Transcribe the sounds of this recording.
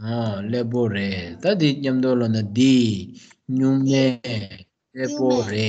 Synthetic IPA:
ɦɔlep̬oɹet̪ad̪iɲamt̪olɔnad̪i | ɲuŋmɛː | lɛʔpoɹeʔ

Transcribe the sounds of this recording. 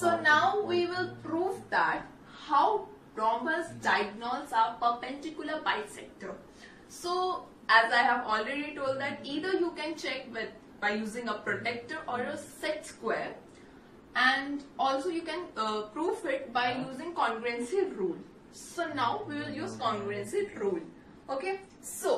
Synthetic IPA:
soːnaʊʋiːʋɪlpɾuːʋd̪æʈ̚ | haʊ | ɾɔ̃ːmbəsɖaɪɡ̚nɔːsaːɾpəɾpɛ̃ɳʈɪkjʊləbaɪsɛk̚ʈəɾ | soː | ʔæzaɪɦæʋɔːlɾeɖiʈoːlɖ̚d̪æʈiːd̪əɾjuːkɛ̃nt͡ʃɛk̚ʋɪ | baɪjuːzɪ̃ŋəpɾoʈɛk̚ʈəɾɔːɾəsɛʈskweːɾ | æ̃ɳɖɔːlsoːjuːkɛ̃npɾuːʋɪʈ̚baɪjuːzɪ̃ŋkɔ̃ːŋɡɾɛ̃nsɪʋɾuːl | soːnaʊʋiːʋɪljuːzkɔ̃ŋɡɾɛ̃nsɪʋɾuːl | oːkeː | soː

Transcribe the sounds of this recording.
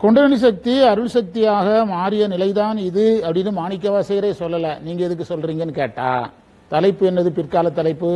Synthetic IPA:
kɔɳɖɐnɐɳis̬ɐk̚t̪iɐɾɯɭsɐk̚t̪ɪjaːɣɐmaːɾɪjɐnɪlɐɪðaːnɪðɯɐpːɐɽɪnːɯmaːɳɪkːɐʋaːsɐɣɪɾɐɪsɔlːɐlɐniːŋɡɐɪðɯk̬ːɯsɔlɾiːŋɡɐnːɯkeːʈːa̰ː | t̪ɐlɐɪpːɯɛnːɐðɯpɪrkaːlɐt̪ːɐlɐɪpːɯ

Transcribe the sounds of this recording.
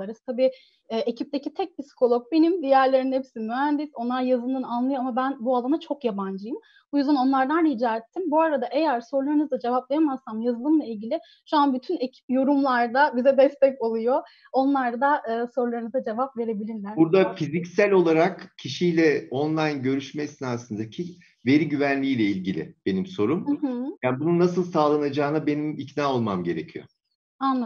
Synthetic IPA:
aɾɯzt̪ʰabiː | ʔecʰip̚t̪e̞cit̪ʰɛc̚pisi̥kʰo̞lˠok̚benimd̪ijæɾlʲe̞ɾinhepsinmyɦænd̪iso̞nlˠaɾjazɯlˠɯnanlˠɯjo̞amabænbualˠanat͡ʃʰo̞kjaband͡ʒɯjɯm | ujuzd̪ano̞nlˠaɾd̪anhid͡ʒaːɾɛt̪ʰːimbuaɾad̪aʔe̞jæɾso̞ɾlˠaɾɯnɯzd̪ad͡ʒe̞vaplˠejamasːamjazɯlˠɯmlˠailʲɟilʲɪ | ʃuanbyt̪ʰynecʰi̥p̚jo̞ɾumlˠaɾd̪abizɛd̪ɛst̪ʰɛco̞lˠujo̞ | o̞nlˠaɾd̪aʔɯːso̞ɾlˠaɾɯnɯzad͡ʒe̞vapve̞ɾe̞bilʲiɾlʲæɾbuɾd̪afizicsælʲo̞lˠaɾakcʰiʃijlʲɛo̞nlˠajnɟø̞ɾyʃmɛsinaasɯnd̪acʰi | ve̞ɾiɟyvænlʲiːlʲɛilʲɟilʲɪ̰b̥e̞nimso̞ɾumjaːnbununasɯlˠsaːlˠanad͡ʒaːnabe̞nimicnaːo̞lˠmamɟe̞ɾecʰijo̰ | anlˠ

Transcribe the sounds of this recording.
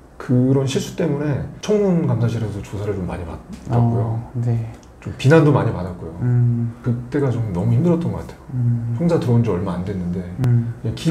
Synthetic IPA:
kɯɾʌnɕʰiɭs͈ʰut͈e̞mune̞t͡ɕʰʌŋnɯnkamsʰaɕ̬ʰiɾesʰʌt͡ɕosʰaɾɯɭt͡ɕomːa̰ɲima̰da̰k͈ujone | t͡ɕompinandomaɲima̰dat̚k͈ujokɯt͈e̞ɡat͡ɕomnʌmuinːɯɾʌt͈̚ʌnɡʌk͈atʰe̞jot͡ɕʰoŋd͡ʑʰatɯʌnd͡ʑiʌɭmaandwe̞nːɯnde̞eki

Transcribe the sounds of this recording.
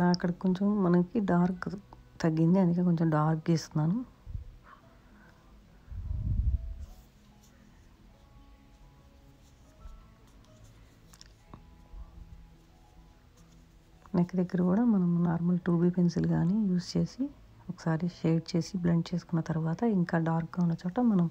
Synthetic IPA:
ɐaɐkːɐɽɐkiko̞ɲt͡ʃemːɐnɐkiɖaːɾkt̪ɐɡːind̪iɐnd̪ikeːko̞ɲt͡ʃemɖaːɾkd͡ʒeːst̪und̪aːnu | nekːɐd̪eɡːɐɾikuːɽaːmɐnɐmnaːɾmɐlʈuːbiːpʰensilɡaːniːjuːst͡ʃe̞ːsi | okɐ̥saːɾiʃeːʈ̚t͡ʃe̞ːsiblɐɳʈt͡ʃe̞ːsu̥kunːɐt̪ɐɾuʋaːt̪ɐiŋkaːɖaːɾkɡaːunːɐt͡ʃɔːʈɐmɐnɐm

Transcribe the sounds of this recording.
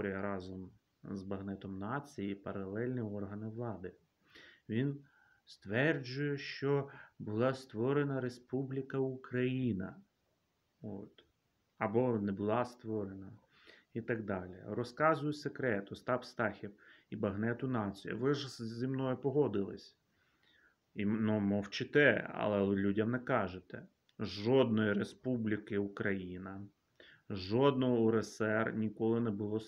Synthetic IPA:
ɔɾʲijɐɾɑzɔm | zbɐɦnɛt̪ɔmnɑt͡sʲijipɐɾɐlˠɛlʲnʲiɔrɦɐnɪʋlˠɑd̪ɪ | ʋʲin | st̪ʋɛrd͡ʒʊjɛʃt͡ʃɔbʊlˠɑst̪ʋɔɾenɐɾespublʲikɐukɾɐjinɐ̰ | o̰t̪ | ɐbɔnɛbʊlˠɑst̪ʋɔɾenɐ | it̪ɐɡ̚d̪ɑlʲḭrɔskɑzʊjʊsekɾɛt̪ɔst̪ɑpst̪ɑxʲiwibɐɦnɛt̪ʊnɑt͡sʲijɐ̰ʋɪʒzʲimnɔjʊpɔɦɔd̪ɪlˠɪ̰sʲ | inumɔwt͡ʃɪt̪ɛɐ̰lˠɛlʲudʲɐmnɛkɑʒet̪ɛ | ʒɔd̪̚nɔjiɾespublʲikɪukɾɐjinɐ | ʒɔd̪̚nɔɦɔʊɾesɛrnʲikɔlˠɪnɛbʊlˠɔ

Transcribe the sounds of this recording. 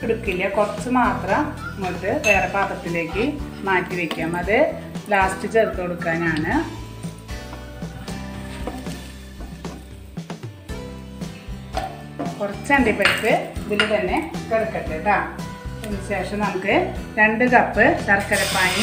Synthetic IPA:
eɽukːilːɐkurɐt͡ɕːɨmaːt̪rɐmmoʈ̪ːɨʋeːrɐpaːbɐt̪ːile̞ːkːɨmaːtːiʋekʲːaːmɐðɨlaːstɨt͡ɕert̪ːoɽukːaːnaːɳɨ | kurɐt͡ɕːɐɳɖipːeɽit̪ːɨɐðilut̪ɐnːe̞keɽukːɐʈːeðaːenːɨɕe̞ːʂɐmnɐmukːɨɾe̞ɳɖɨkɐpːɨt̪ɐrɐkːɐɾɐpːaːji

